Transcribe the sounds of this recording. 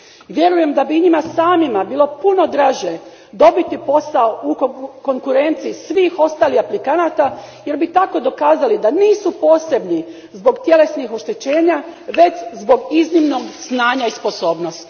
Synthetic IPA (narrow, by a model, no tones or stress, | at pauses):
ʋje̞ɾuje̞md̪abiuɲimasaːmimabiːlˠo̞puno̞d̪ɾaːʒe | d̪o̞bit̪ipo̞saoukko̞ŋkuɾe̞nt̪siːsʋiːxo̞st̪aːlihaplikanat̪a | je̞ɾbit̪ako̞d̪o̞kaːzalid̪aniːsupo̞ːse̞bni | zbo̞ɡt̪je̞le̞snixo̞ʃt̪e̞t͡ɕe̞ːɲaʋe̞t͡ɕzbo̞ɡiznimno̞ɡsnaːɲaispo̞so̞ːbnost̪